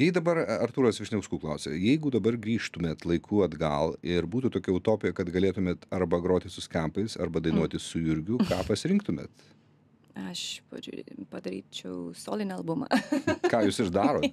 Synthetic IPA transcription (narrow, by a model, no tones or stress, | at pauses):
jɛɪd̪ɐbɐɾɐɾt̪uːɾɐsʋʲɪɾʃʲnʲɛʊskuːklˠɐʊsʲejɛɪɡʊd̪ɐbɐrɡɾʲiːʃt̪ʊmʲeːt̪lˠɐɪkʰuːɐd̪ɡɐlˠɪɾbuːt̪ut̪oːkʲɛʊt̪oːpʲɪjɛkɐt̪ɡɐlʲeːt̪ʊmʲeːt̪ɐɾbɐɡɾoːt̪ʲɪsʊsʲkʲɛmpɐɪsɐ̰ɾbɐd̪ɐɪnuɔt̪ʲɪssʊjʊɾʲɡʲʊkɑːpɐsʲɪɾʲɪŋk̚t̪ʊmʲḛːt̪ | ɐʃpɐ̰ʒ̰ʲpɐd̪ɐɾʲḭːt͡ʃʲɛʊso̰ːlʲɪnʲɛɐlˠbʊmɐ̰kɑːjuːsɪɾd̪ɑːɾoːt̪